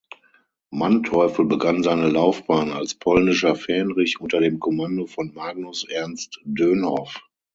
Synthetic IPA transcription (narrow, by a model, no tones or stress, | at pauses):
mantʰɔʏfl̩bəɡanzaɪnəlaʊfb̥aːna̰lspʰɔlnɪʃɐfɛːnʁɪçʔʊntɐdeːmkʰɔmandofɔnmaːɡ̚nʊsʔɛɐnstd̥øːnhɔf